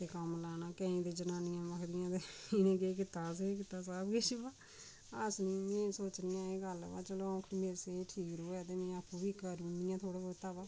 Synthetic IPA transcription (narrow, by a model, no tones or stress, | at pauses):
t̪eːkəmlaːnãːkəĩːd̪eːd͡ʒənaːnɪjãːməkʰd̪ɪjãːt̪eːɪnẽːkeːk̬ɪt̪aːsek̬ɪt̪aːsaːbɡeːʃibaː | əsniːmẽːsoːt͡ʃniːãːeːɡəlʋaːt͡ʃəloːɔ̃ːkʰnimeːɾseːʈʰiːkɾoːɛːt̪eːmẽːapʰːũːbiːkəɾũːd̪ɪjãːt̪ʰoːɽaːboːt̪aːbaː